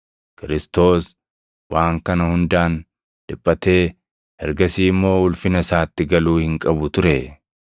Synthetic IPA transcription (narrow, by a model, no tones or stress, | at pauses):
kɪɾɪst̪o̞ːs | wʔaːŋkɐnɐhʊnd̪aːn | d̪̥ɪpʼːɐt̪e̞ː | hɛɾɡɐsiːmːo̞ːʊlfɪnɐsaːt̪ːɪɡɐluːhɪŋkʼɐbʊt̪ʊɾɛ